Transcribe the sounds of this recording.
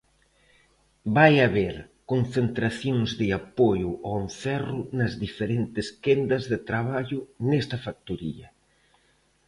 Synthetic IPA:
bajaβeɾ | kon̟θent̪ɾaθjoŋzðɪapojʊʔɔenθɛrʊnɐzðifeɾent̪ɪskend̪ɐzðɪt̪ɾaβ̞aʎʊnɛst̪ɐfak̚t̪uɾḭɐ

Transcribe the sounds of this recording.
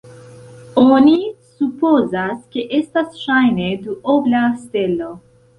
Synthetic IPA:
onisupozaskeʔest̪asʃajned̪uoblast̪elo

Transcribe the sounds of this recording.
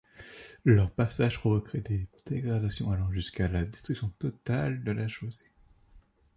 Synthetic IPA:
lœʁpasaʒ̥pχɔvɔkχɛd̪ed̪̥eɡʁad̪asjɔ̃alɔʁʒyskalad̪ɛst̪χyksjɔ̃t̪ɔt̪ald̪əlʔaʒoze

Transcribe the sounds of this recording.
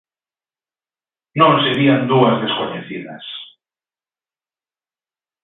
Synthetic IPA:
nõŋseɾiand̪uazðeskoɲeθiða̰s

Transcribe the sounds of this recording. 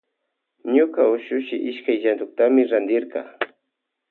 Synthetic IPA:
ɲʊkaʊʃʊʃɪʔɪʃkajʒand̪ʊk̚t̪amɪɾand̪ɪɾkɑ̰

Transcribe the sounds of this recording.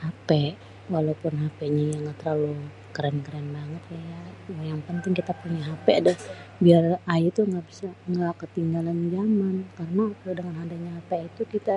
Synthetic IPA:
hapɛ | walapʊnɦapɛɲajaŋɡat̪əɾalu | kəɾɛnkəɾɛnbaŋət̪̚kajamojaŋpənt̪ɪŋkit̪apuɲaɦapɛadabiarajut̪uŋɡaʔbisaŋɡakət̪iŋɡaland͡ʒamankarənakdəŋanɦandaɲaɦapɛit̪ukit̪a

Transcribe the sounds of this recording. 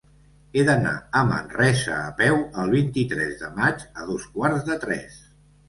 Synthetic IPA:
eðəna̰əmə̰nrɛsə̰ːpɛwəlˠβint̪it̪ɾɛzðəmad͡ʒəðoskwaɾzðət̪ɾɛ̰s

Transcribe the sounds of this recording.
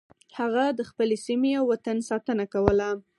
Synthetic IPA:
haɣad̪əxpəlesimeawːat̪ansɑt̪ənakawəla

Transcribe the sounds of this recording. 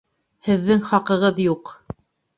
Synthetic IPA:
hɘ̆ðːɘŋχɑqɤ̆ʁɤðjuq

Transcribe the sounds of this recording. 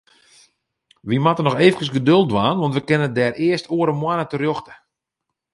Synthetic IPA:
ʋimatənɔxeːvənkəsɡədølˠdʋaːnʋɔntʋəkɪnəədɛːrɪəstʰoəɾəmwanətərjoxtə̥

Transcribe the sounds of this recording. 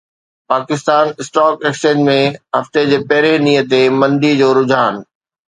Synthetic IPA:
paːkɪst̪aːnɪsʈɔːkekst͡ɕẽːd͡ʑmẽɦɐft̪ed͡ʑeːpɐɦɪɾenijət̪emɐ̃nd̪id͡ʑoːɾʊd͡ʑʱaːn̆

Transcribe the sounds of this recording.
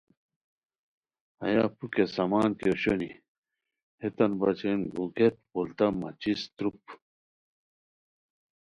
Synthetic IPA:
ɐ̰ja̰pukesɐmaːnkoɕoni | het̪ɐnbɐt͡ɕenɡuɡet̪̚polt̪ɐmɐ̰t͡ɕist̪ɾup̚

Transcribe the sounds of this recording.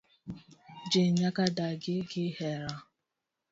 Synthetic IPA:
d͡ʒeɲakadaɡɪɡɪheɾa

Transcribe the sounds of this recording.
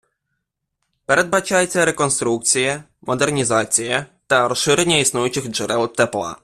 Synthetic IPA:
pɾɛd̪̚bat͡ʃajt̪sɛɾɛkɔnst̪ɾuk̚t̪sʲjɛ | mɔd̪ɛɾɲizat̪sʲjɛt̪aɾɔʂɨɾɲɛisnujɔt͡ɕixʐɛɾɛlt̪ːɛpla̰

